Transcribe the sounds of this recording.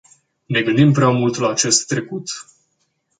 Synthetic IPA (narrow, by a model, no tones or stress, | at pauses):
ne̞ɡɨnd̪impɾeamult̪laːt͡ʃe̞st̪ːɾe̞kut̪